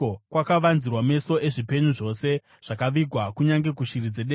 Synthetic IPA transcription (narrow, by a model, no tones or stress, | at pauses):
okwakaʋanzirwame̞so̞ʔe̞ʐipe̞ɲuʐo̞se̞ | ʐ̥akaʋiɡʱwakuɲaŋɡe̞kuʃirid͡zeɗe